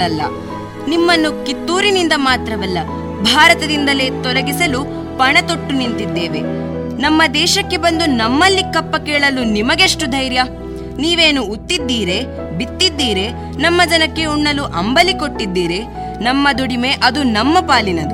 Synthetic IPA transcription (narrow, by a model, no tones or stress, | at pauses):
ɐlːɐ̰ | nimːɐnːukit̪ːuːɾinind̪ɐmaːt̪ɾɐʋɐlːɐ | bʱaːɾɐt̪ɐd̪ind̪ɐle̞ːt̪ɔɾɐɡisɐlu | pɐɳɐt̪oʈːunint̪id̪ːeːʋe̞ | nɐmːɐd̪ɛːʃɐkːe̞bɐnd̪unɐmːɐlːikɐpːɐkɛːɭɐlunimɐɡeʂʈud̪ʱɐjɾjɐ | niːʋe̞ːnuːt̪ːid̪ːiːɾe̞ | bit̪ːid̪ːiːɾe̞ | nɐmːɐd͡ʒɐnɐkːe̞uɳːɐluʔɐmbɐlikoʈːid̪ːiːɾe̞ | nɐmːɐd̪uɽime̞ʔɐd̪unɐmːɐpaːlinɐd̪u